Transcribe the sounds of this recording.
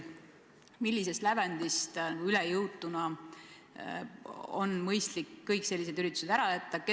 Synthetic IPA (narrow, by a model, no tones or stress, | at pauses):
milʲːis̬e̞st̪lævænd̪ist̪nɑɡ̥uylejɯwt̪ːˑunɑ | onmɤjst̪likːɤjkse̞lʲːise̞d̪yɾit̪ːˑu̥sed̪æɾɑjæt̪ːɑke